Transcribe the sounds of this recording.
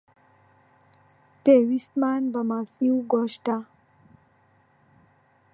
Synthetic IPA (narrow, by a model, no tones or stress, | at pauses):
peʋismaːnbəmasiuɡoːʃʈa